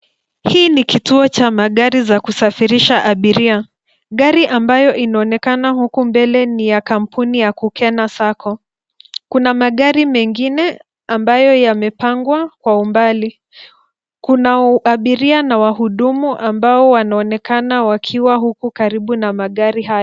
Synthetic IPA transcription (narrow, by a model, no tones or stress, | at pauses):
hiːnikituɔt͡ʃamaɠaɾizakusafiɾiʃaʔaɓiɾia | ɠaɾiʔambajɔʔinaɔnɛkanahukumbɛlɛnijakam̩punijakukɛnasakʰɔ | kunamaɠaɾimɛŋɡinɛ | ambajɔjamɛpaŋɡwakwaumbali | kunaaɓiɾianawaɦuɗumuʔambaɔwanaɔnɛkanawakʰiwaɦukukaɾiɓunamaɠaɾiɦajɔ